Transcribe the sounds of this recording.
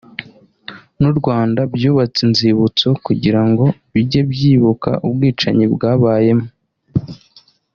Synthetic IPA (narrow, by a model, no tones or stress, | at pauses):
nuɾɡwaːndabjuːβat͡sinziβut͡so̞kuɟiɾaŋɡo̞βiɟe̞bjiːβuka̰ʔubɡiːt͡ʃa̰ɲibɡaːβaːje̞mo